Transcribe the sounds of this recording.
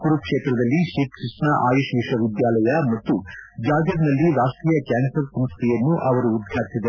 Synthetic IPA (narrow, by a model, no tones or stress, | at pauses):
kuɾupkʂeːt̪ɾɐd̪ɐlːiʃikkisnɐʔa̰ːjuʃʋiʂɐʋid̪jaːlɐjɐmɐt̪ːud͡ʒaːɡɾɐd̪nɐlːiɾaːʂʈɾiːjɐkjaːnsɐɾsɐmst̪ijɐnːuʔɐʋɐɾuːd̪ɡʱjaːɾsid̪e